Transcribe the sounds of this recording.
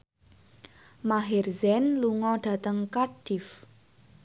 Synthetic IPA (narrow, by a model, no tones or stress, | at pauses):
maɦerzɛnluŋɔɖ̥a̤t̪əŋkaɖ̥if